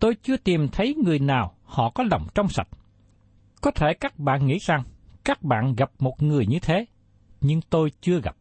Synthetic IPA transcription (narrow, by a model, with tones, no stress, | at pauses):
t̪o˧jt͡ɕɨ˧ət̪i˨˩mt̪ʰə˨˦jŋɨ˨˩əjnaː˨˩w | hɔ̰˧˨kɔ˨˦lə˨˩wŋ͡mt͡ɕɔ˧wŋ͡msa̰˨˩t̚ | kɔ˨˦t̪ʰe˧˩kaː˦˥k̚ɓa̰ː˧˨nŋḭ˧˥za˨˩ŋkaː˦˥k̚ɓa̰ː˧˨nɣa˨˩p̚mo˨˩t̚ŋɨ˨˩əjɲɨ˧t̪ʰe˨˦ | ɲɨ˧ŋt̪o˧jt͡ɕɨ˧əɣa̰˨˩p̚